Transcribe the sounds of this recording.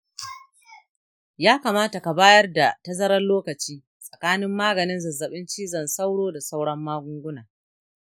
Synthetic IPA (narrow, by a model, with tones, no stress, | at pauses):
jaː˦kaː˨maː˦ta˨ka˨baː˦jɐ˦rda˨tɐ˦zɐ˦ɾɐ˦nloː˦kɐ˨t͡ʃiː˦ | sʼɐ̥˨kaː˦nɪ˦mːaː˦ɡɐ˨nɪ˦nzɐ˨zɐ˨ɓɪ˦nt͡ʃiː˦zɐ˨nsa˦wɽoː˦da˨sa˦wɽɐ˦mːaː˦ɡʷʊ˦ŋɡʷʊ˦naː˨